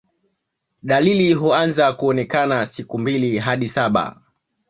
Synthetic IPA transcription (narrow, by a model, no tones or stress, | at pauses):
ɗaliliɦuanzakuɔnɛkanasikumbiliɦaɗisaɓa̰